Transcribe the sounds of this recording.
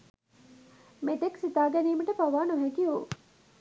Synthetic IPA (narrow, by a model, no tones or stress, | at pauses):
met̪eksit̪aːɡɛniːməʈəpaʋaːnuɦɛkiu